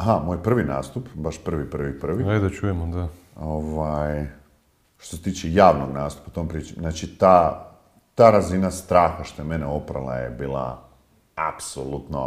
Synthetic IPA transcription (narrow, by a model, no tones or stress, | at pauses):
aɦamoːjpr̩ʋina̰ːst̪upbaʃpr̩ʋipr̩ʋipr̩ʋiajd̪at͡ʃujemod̪a | oʋaj | ʃt̪ose̞t̪iːt͡ʃɛjaːʋnoɡnaːst̪u̥paut̪ompɾiːt͡ʃimnnaːt͡ʃit̪aː | t̪aːɾazinast̪ɾaːxaʃt̪ojemeneopɾa̰lˠa̰jḛbiːlˠa̰ | a̰psolˠut̪no̰